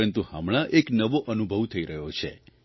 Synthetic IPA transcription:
ənt̪uhəmɭ̃ãʔeknəʋoʔənubʱəʋt̪ʰəiɾəɦjot͡ʃʰḛ

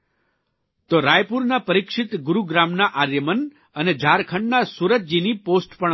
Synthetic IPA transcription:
t̪oɾajpuɾnapəɾikʃɪt̪ɡʊɾuɡɾamnaʔaɾjəmən | əned͡ʒʱaɾkʰəɳɖnasuɾət̪̚d͡ʒiniposʈpə

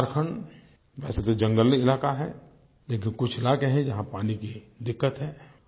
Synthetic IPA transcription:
aɾkʰəɳ | ʋɛːset̪od͡ʒɐ̃ŋɡəlɪlaːkaɦɛ̰ː | leːk̬ɪnkʊt͡ʃʰɪlaːkeɦɛ̃d͡ʒɐɦãpaːniki | d̪ɪkːət̪ɦɛː

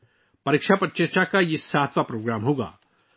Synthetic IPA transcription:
pɐɾikʃapɐt͡ʃəɾt͡ʃakajesaːt̪ʰʋapɾoːɡɾaːmɦoːɡa̰ː

